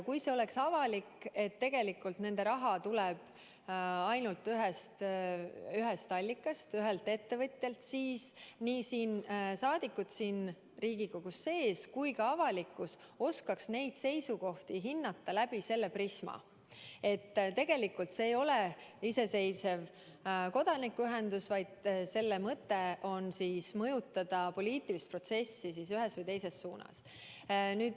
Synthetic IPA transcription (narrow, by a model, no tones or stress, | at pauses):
kujse̞o̞le̞ksɑvɑlikːe̞t̪ːe̞ɡ̥e̞likːult̪ne̞nd̪̥e̞ɾɑɦɑt̪ulɛb̥ | ɑjnult̪ːˑyɦest̪ | yɦest̪ɑlʲːikːˑɑst̪yɦelt̪e̞t̪ːe̞vɤt̪ʲˑjɑlt̪siːsniːsiːnsɑːd̪̥ikːˑut̪siːn | riːɡ̥iko̞ɡ̥usːe̞ːskujkɑɑvɑlikːˑus | o̞skɑksne̞jd̪̥se̞jsuko̞ht̪iɦinːɑt̪ːˑɑlæb̥ise̞lːe̞prismɑ̰ | e̞t̪ːt̪e̞ɡ̥e̞likːˑult̪se̞ːjo̞leise̞se̞jse̞v | ko̞d̪ɑnikːyɦe̞nd̪usvɑjd̪̥se̞lːemɤt̪ːˑe̞ʔo̞nsiːsmɤjut̪ːˑɑd̪̥ɑpo̞liːt̪ːˑilist̪pro̞t̪se̞sːis̬isyɦe̞svɨjt̪e̞jse̞sːuːnɑ̰s | nyːd̥̪